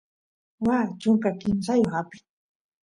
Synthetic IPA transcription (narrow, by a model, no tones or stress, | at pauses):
waːt͡ʃʊŋkakɪnsajoxapɪ̥